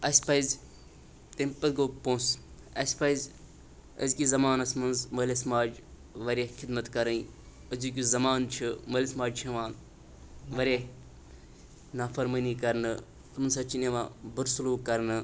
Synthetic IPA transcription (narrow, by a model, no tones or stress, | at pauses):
ɐspɐiz | t̪empɐt̪̚ɡoːpõːsɐsʲpɐjzʲ | ɐ̰zkizɐmaːnɐsmɐnzmɐlʲesmaːd͡ʒ | ʋɐɾʲexʰɪd̪mɐt̪kɐɾɐĩ | ɐzuːk̬ʲuzɐmaːnt͡ʃʰɨmɐlʲesmaːd͡ʒt͡ʃʰɐʋaːn | ʋɐɾʲe | naːfɐɾmɐniːkɐɾnɨ | tɐmnsɐt͡ʃineʋã̰ːbəɾsuluːkɐɾnɨ